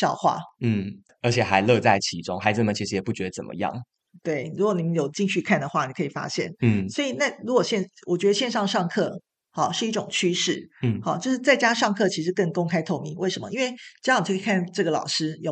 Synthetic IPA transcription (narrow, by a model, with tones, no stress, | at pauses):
ɕjɑ˥˧ʊxwa̰˥˩n̩˥˩ | ə˧˥t͡ɕʰjɛ˨˩xa˧˦ɪlɤ˥˧t͡sa˥˩ɪt͡ɕʰi˧˥ʈ͡ʂʊ̰˥ŋxa˧˥ɪd͡z̩˨˩nə˩t͡ɕʰi˥ʂɻ̩˧jɛ˨˩pu˥˩t͡ɕɥɛ˧˥d̪ə˧t͡sə̰˨˩mə̰˦jɑ̰˥˩ŋ | t̪we˥˩ɪɻu˧˥kwɔ˧˦ni˨˩mə˦njo˨˩ʊt͡ɕi˥˧ŋɕy˥˧kʰa˥˩nd̪ə˩xwa˥˩ni˨˩kʰɤ˧˥i˨˩fa̰˥ɕjɛ̰˥˩n̩˥swɔ˧˥i˨˩na˥˧˩ɻu˧˥kwɔ˨˩ɕjɛ˥˧nwʔɔ˨˩t͡ɕɥɛ˧˥d̪ə˧˩ɕjɛ˥˧nʂɑ˥˧ŋʂɑ˥˧ŋkʰɤ˥˩ | hɑ˨˩ʂɻ̩˥˩i˥˩ʈ͡ʂʊ˨˩ŋt͡ɕʰy˥ʂɻ̩˥˩˥hɑ˨˩t͡ɕjo˥˧ʂɻ̩˥˧t͡sa˥˩ɪt͡ɕja˥ʂɑ˥˧ŋkʰɤ˥˩t͡ɕʰi˧˥ʂ̬ɻ̩˧˥kə˥˩ŋkʊ˥ŋkʰa˥ɪt̪ʰo˥˧ʊmi˧˥ŋwe˥˩ɪʂə˧˥mə̰˧i˥nwe˥˩ɪt͡ɕŋn̩ʰ˨˩˥kʰʈ͡ʂɤ˥˩ɡə˩lɑ̰˨˩ʊʂɻ̩˥jo˨˩